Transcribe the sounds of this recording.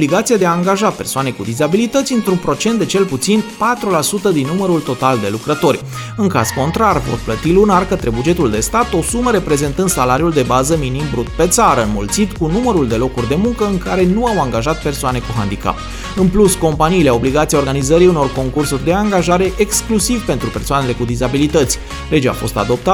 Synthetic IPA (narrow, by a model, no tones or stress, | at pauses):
bliɡat̪siad̪eaːŋɡaʒape̞rsoane̞kud̪izabilit̪ət̪sʲɨnt̪ɾunpɾo̞t͡ʃe̞nt̪d̪e̞t͡ʃe̞lput̪sinpat̪ɾulasut̪əd̪inːuməɾult̪o̞t̪ald̪e̞̰lukɾət̪o̞rʲ | ɨŋka̰z̥ko̞nt̪ɾarvo̞̰rplət̪ilunarkət̪ɾe̞bud͡ʒe̞t̪uld̪e̞st̪at̪o̞suməɾe̞pɾe̞ze̞nt̪ɨnd̪salaɾijuld̪e̞bazəminimbɾut̪pe̞t̪saɾəɨnmult̪sit̪kunuməɾuld̪e̞lo̞kurʲd̪e̞muŋkəɨŋkaɾe̞nuawaŋɡaʒat̪̚pe̞rsoane̞kuɦa̰nd̪ika̰p | ɨnplusko̞mpaniːleao̞bliɡat̪sijao̞rɡanizəɾiuno̞rko̞ŋkursurʲd̪e̞aŋɡaʒaɾe̞ʔeksklusivpe̞nt̪ɾupe̞rsoane̞le̞kud̪izabilit̪ət̪sʲ | le̞d͡ʒea̰fo̞st̪a̰d̪o̞p̚t̪a